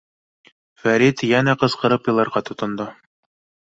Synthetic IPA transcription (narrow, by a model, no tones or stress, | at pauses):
fæɾit̪jænæqɤ̆sqɤ̆ɾɤpjɤ̆lˠɑɾʁɑt̪ŏt̪ŏnd̪o